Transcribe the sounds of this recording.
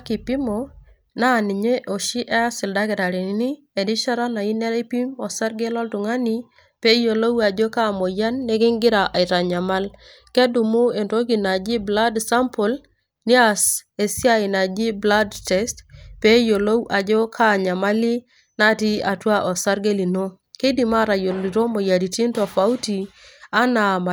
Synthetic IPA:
a˦ki˨pi˦mo˨ | na˦˨ni˨ɲe˦ʔo˨ʃi˦ʔɛ˦a˦sɪ˨lda˦kɛ˨da˨ɾi˨ni˦ni˦ | e˨di˦ʃa˦ɾa˦na˨i˦nɛ˦ɾe˦pi˦mɔ˨sa˦ɾɡe˦lɔ˦ltu˨ŋa˦ni˦ | pe˦jo˨lo˦wa˨d͡ʒo˦ka˦˨mo˨ja˦nːe˦ke˦ŋɡɪ˦ɾa˨ʔa˨ɪ˨ta˨ɲa˨ma˦l | kɛ˦du˨mu˦e˨ndo˦ɡi˨na˨d͡ʒi˦bla˦dsa˦mpʊ˨l | ni˦a˦˨se˨si˦a˦i˨na˨d͡ʒi˦bla˦dtɛ˨˦stpe˦jo˨lo˦wʔa˨d͡ʒɔ˦kʰa˦˨ɲa˨ma˦li˦ | na˦ti˦a˨twa˦ʔɔ˨sa˦ɾɡe˦li˨no˦ | ke˦di˨ma˦ɾa˨jo˨li˨ɾo˦mo˨ja˨di˨ti˦nto˨fa˨u˦ti˨a˦na˨ma˨

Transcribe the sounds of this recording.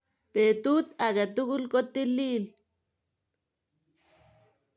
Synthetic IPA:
t̪e˨t̪u˦t̪a˨ɡa˨t̪u˦ɡu˦lko˦t̪ːi˦lːi˦l

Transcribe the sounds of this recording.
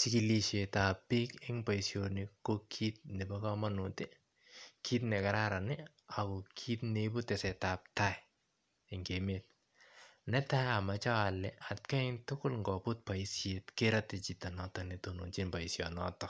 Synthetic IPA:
t͡ʃiki˦liʃe˨ta˨pːi˦kɪ˦ŋpa˨isjonɪkokʰit̚nɛ˨ba˦ka˦manuti | kʰi˦tnɛ˨ka˨ɾaɾa˨nɪ | a˨kɔ˨kʰiː˦tnebʊ˦tɛ˨sɛ˨tap̚ta˦j | ɪŋɡemet̚ | nɛ˦ta˦ja˨mat͡ʃa˦wlɛa˨tka˦ɪŋtʊkʊ˦lŋɡɔ˨pʊt̚pa˨isjetke˦ɾatɪt͡ʃita˨nɔtɔne˨tonu˨nt͡ʃi˦npa˨isjɔnɔ̰tɔ

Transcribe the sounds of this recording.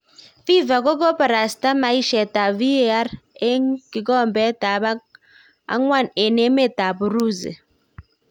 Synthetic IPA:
fi˦va˨ko˦ko˦pa˨ɾa˨sta˦ma˨i˦ʃɛ˨ta˨vi˦e˨˦a˦ɾe˦ki˨kɔ˦˨mbɛ˨˦ta˨ba˦ | a̰˦ŋwa˦˨ne˨ne˨˦me˦˨ta˨bu˨ɾu˦zḛ˨

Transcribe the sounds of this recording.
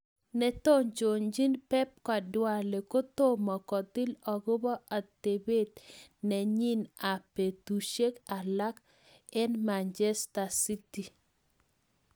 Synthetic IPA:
nɛ˨t̪o˦ɲt͡ʃo˨ɲd͡ʒi˦npɛ˦p̚ka˨dwa˨le˨ko˦t̪o˦mɔ˨kɔ˨t̪ɪ˦lɔ˨ɡo˦bɔ˦ʔa˨t̪e˨be˦t̪nɛ˨ɲi˦na˨pe˨t̪u˨ʃe˦ka˨la˦k | ɛ˦nma˨nd͡ʒɛ˦sta˨si˦ti˨

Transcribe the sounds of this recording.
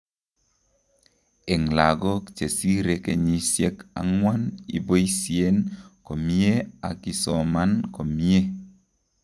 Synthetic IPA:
e˨ŋla˨ɡo˦kt͡ʃe˨si˦ɾe˨ke˨ɲi˦sje˦ka̰˨˦ŋwa˦nḭ˨bo˦jsie˦nko˨mi˦e˦a̰˨ki˨sɔ˨ma˦nko˨mi˦e˦

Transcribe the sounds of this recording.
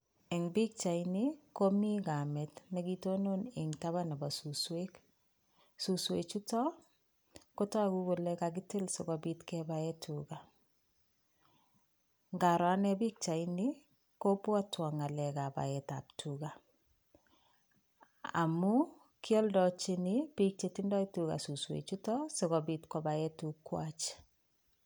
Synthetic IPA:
ɛ˨ŋbi˦k̚t͡ʃa˨inikomi˦ɡa˨mɛ˨tnɛ˨ɡitono˦nɪ˨ŋta˦βa˦na˨ba˨suswek | su˨swḛ˨t͡ʃu˦tɔ˦ | ko˦tɔ˦a˦ku˦ko˨lɛka˨ɡ̬ɪ˦tɪ˦lso˨kɔbi˦tkɛ˦baɛ˦tʰuɡa˨ | ŋɡa˨ɾɔ˨a˦nɛ˦bi˦k̚t͡ʃa˨i˦ni˦ | ko˦pwa˦twɔ˨ŋa˨lɛ˨ka˨ba̰˨ɛ˨ta̰˨p̚tʰu˨ɡa˨ | a̰˨mu˦ | kjɔ˦ldɔ˨t͡ʃi˦nɪ˦b̥i˦k̚t͡ʃe˨ti˦ndɔ˦itu˨ɣa̰˨su˨swḛ˨t͡ʃu˦tɔ˦sɔ˨ɣɔ˨bi˨tkɔ˨ba˨ɛ˦tu˨kːwa˦t͡ʃ

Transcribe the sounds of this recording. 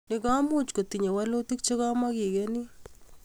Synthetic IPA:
ni˦ka˦mu˦t͡ʃko˨ti˨ɲe˨wa˦lo˦ti˦k̚t͡ʃe˦ka˦ma˦ki˨keni˦

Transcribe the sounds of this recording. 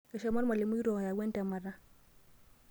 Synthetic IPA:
ɛ˨ʃa˦ma˦ɾma˨li˨mu˦i˦ɾo˨ha˨ja˨ɡe˦nta˨ma˨ɾa˦

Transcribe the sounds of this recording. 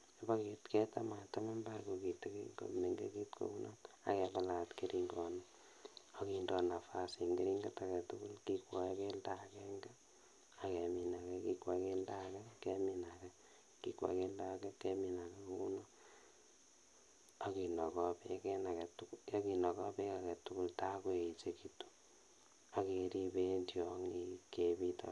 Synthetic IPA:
ba˦ke˨tkɛ˦ta˦ma˨ta˦ma˦mba˦ko˨ki˨te˦ki˦ŋɡo̰˨mneŋɡḛ˦ki˦tko̰˦ku˦nɔ̰˦na̰˨kɛba˦la˨tke˦ɾʔi˦ŋɡɔ˦na | o˨ki˨ndɔ˦na˨fa˦si˨ŋɡe˦ɾi˦ŋɡa˦ta˨kɛ˨tu˦ku˦lki˦kwa˨ke˦ldakɛ˦ŋɡɛ˦ | a˨kɛ˨mi˨na˨kɛ˦ki˦kwa˨ke˦lda˦kɛ˦kɛminakɛ˦ | ki˦kwa̰˨ke˦lda˦kɛ˦kɛ˦mi˨na˨kɛ˦ku˦nɔ˦ | a˨ki˨nɔ˨kɔ˦pe˦kɛ˦na˨kɛ˨tukjɔ˦ki˨nɔ˨kɔ˦pe˦ka˨kɛ˨tʊ˦ku˦lta˦kwe˨i˨t͡ʃe˦ki˦tu̥ | a˦ke˨ɾi˦be˦ndjɔŋikepi˦tɔ̰

